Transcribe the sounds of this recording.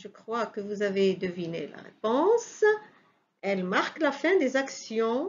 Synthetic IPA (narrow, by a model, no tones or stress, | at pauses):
ʒəkχwakəvuzaved̪əvinḛla̰ʁḛpɔ̃s | ɛlmaʁklafɛ̃d̪ezaksjɔ̃